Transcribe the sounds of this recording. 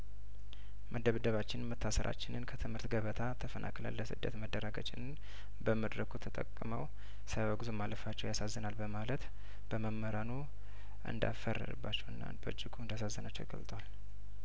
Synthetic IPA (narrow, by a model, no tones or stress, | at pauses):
mʔəd̪əβd̪əβat͡ʃːɪnmət̪ʰːasəɾʔa̰t͡ʃːɪnɨnkʰət̪ʰɨmhɨɾt̪ɡəβət̪ʰat̪ʰəfənʔa̰kʼlə̰lːəsɨ̰d̪ːət̪məd̪ːəɾaɡə̰t͡ʃʼɪnɨn | bəməd̪ɾəkʰut̪ʰət̪ʼə̰kʼːməw | səβəɡzumalːəfat͡ʃːɛwjasazːənalbəmalət̪ | b̥əməmːəɾanu | ʔɨ̰nd̪a̰fərːɨ̰ɾɨ̰bːat͡ʃːɛwɨnːa̰bəd͡ʒːɪɡʰuɨnd̪asazːənat͡ʃːɛwɡə̰lt̪ʼəwal